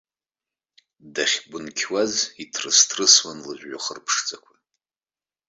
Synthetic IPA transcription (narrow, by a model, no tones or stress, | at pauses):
daχʲɡʷʊnkʲʰwazitʰrɨstʰrɨswanlɨʒʷᶣːaχərpʰʂt͡sʼakʷʰa